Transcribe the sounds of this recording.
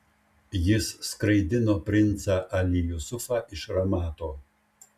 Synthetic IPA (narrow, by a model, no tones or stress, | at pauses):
jɪsːkɾɐɪd̪ʲɪnoːpʲɾʲɪnˑt̪saʔɐlʲijʊsʊfɑːʔɪʃɾɐmɑːt̪oː